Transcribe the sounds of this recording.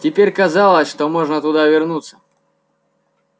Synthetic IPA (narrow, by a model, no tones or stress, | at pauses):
tʲɪpʲeɾʲkɐzalˠəsʲʂt̪omoʐnət̪ʊd̪avʲɪrnut̪sːə̥